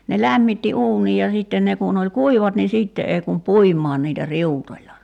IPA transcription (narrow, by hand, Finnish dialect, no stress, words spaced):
ne læmːitːi uːnij jɑ siˑtːen ne kun olʲ kuiʋɑt ni siˑtːe ei kum puimˑɑːn niːtæ riutolʲlɑ